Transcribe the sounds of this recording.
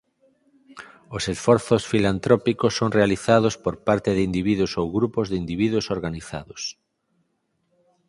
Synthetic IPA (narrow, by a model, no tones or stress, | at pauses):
osesfɔɾθosfilant̪ɾɔpikosːoŋrealiθað̞ospoɾpaɾt̪ɪðɪind̪iβiðʊsowɣɾupozðɪind̪iβiðwʊsoɾɣaniθa̰ðʊs